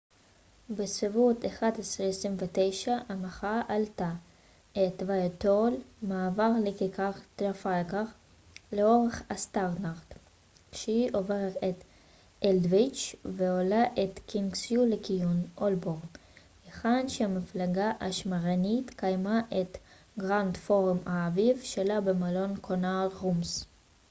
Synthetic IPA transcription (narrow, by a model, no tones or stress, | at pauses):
besvivut̪eχad̪esʁiesʁimvet̪ejʃaʔamaχaʔalt̪a | et̪vajat̪olmaːvaʁlekekaχt̪ɾafalkaʁ | leoʁeχast̪aʁnaʁt̪ | ʃeiʔoveʁʁet̪ | eld̪vit͡ʃveolaʔet̪kinɡsjulekijunʔolboʁn | jeχanʃeamiflaɡaʔa̰ʃmaʁanit̪kajmaʔet̪ | ɡʁand̪foʁumaːvivʃelabemalonkʰonalʁums